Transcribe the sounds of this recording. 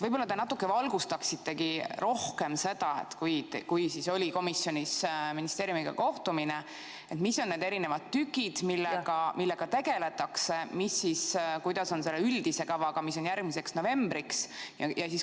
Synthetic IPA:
vɤjb̥olːɑt̪e̞nɑt̪ːˑukːˑe̞vɑlɡust̪ɑksit̪ːe̞kiɾo̞hke̞mse̞d̪̥ɑe̞̰t̪kujt̪kujsiso̞lʲiko̞misːjo̞nisminist̪e̞ːɾjumiɡ̥ɑ̰ko̞ht̪umine̞ | et̪misːo̞nned̪e̞ɾine̞vɑd̪̥̚t̪ːykːˑid̪̥milːeɡɑmilːe̞ɡ̥ɑt̪e̞ɡe̞le̞t̪ːˑɑkse̞misːiskujd̪̥ɑso̞nse̞lːeyld̪̥ise̞kɑvɑɡ̥ɑmis̬o̞njærɡ̥̚mise̞ksno̞ve̞mbɾiksjɑjɑsis

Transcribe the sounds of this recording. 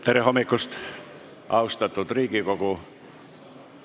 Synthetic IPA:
t̪erʋehomːikːust̪ | ʔɑust̪ɑt̪ːut̪riːkikoku

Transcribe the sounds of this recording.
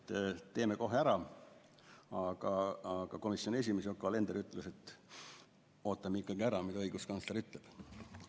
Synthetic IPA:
t̪ːt̪e̞ːmeko̞ɦeæɾɑ | ɑɡ̥ɑɑɡ̥ɑko̞misjo̞nie̞sʲimes̬iokːˑɑle̞nd̪̥eɾyt̪ːˑluse̞t̪ːˑ | o̞ːt̪ːˑɑmeikːˑɑɡiæɾɑmid̪ɑɤjɡ̥uskɑnsleɾyt̪ˑleb̥

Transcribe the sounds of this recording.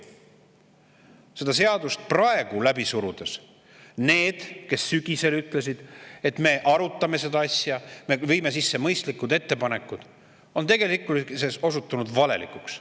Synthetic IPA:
se̞d̪̥ɑse̞ɑd̪̥ust̪̚prɑe̞ɡ̥ulæbisuɾud̪̥es | ne̞ːd̪̥kesːyɡ̥ʲise̞lyt̪ˑle̞s̬id̪̥e̞t̪me̞ʔɑɾut̪ːˑɑme̞se̞d̪ɑɑsʲjɑmevɤjme̞s̬isːe̞mɤjst̪likːˑud̪e̞t̪ːe̞pɑne̞kːˑud̪̥ | o̞nt̪e̞ɡe̞likulseso̞sut̪ːˑunud̪vɑle̞̰lḭkuks

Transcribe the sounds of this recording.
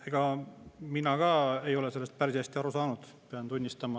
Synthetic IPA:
eɡ̥ɑminɑɡɑːe̞jo̞le̞se̞lːst̪̚pærsiæsʲt̪iɑɾusɑːnud̪̥ | peɑnt̪unʲːist̪ɑmɑ

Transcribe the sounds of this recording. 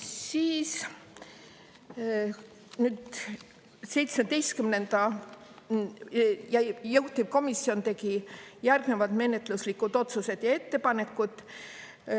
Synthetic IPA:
siːs | nyːd̪̥ | se̞jt̪smed̪̥e̞jst̪kymne̞nd̪̥ɑ | jɑjɤwt̪ːib̥ko̞misːio̞nt̪e̞ɡijærɡ̥ne̞vɑt̪me̞ne̞t̪luslikːud̪̥o̞t̪suse̞d̪̥jɑe̞t̪ːe̞pɑne̞kːˑud̪̥

